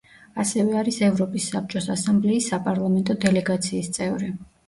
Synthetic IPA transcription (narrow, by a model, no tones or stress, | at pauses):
asɛvɛaɾisɛvɾɔpʼisːap̚t͡ʃʼɔsasamblɛisːapʼaɾlˠamɛnt̪ʼɔd̪ɛlɛɡat̪sʰiːst̪sʼɛvɾi